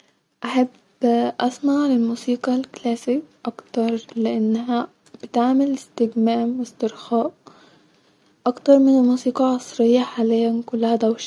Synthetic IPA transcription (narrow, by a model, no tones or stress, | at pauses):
ʔaħab | ʔasmaʕlɪlmuːsiːqɑlklæːsɪkʔakt̪ɑɾˤlɪʔanːɦa | b̥ɪt̪aʕmɪlɪst̪ɪɡmaːmwɪst̪ɪɾxaːʔ | ʔakt̪ɑɾˤmɪnɪlmuːsiːqɑʕɑsˤɾɪjːaħaːlɪjːankʊlːahad̪awʃ